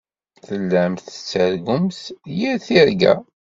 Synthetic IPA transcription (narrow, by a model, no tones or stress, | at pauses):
θəlːæmθə̥t͡sːəɾɡʊmθjiɾθiɾɡæ̰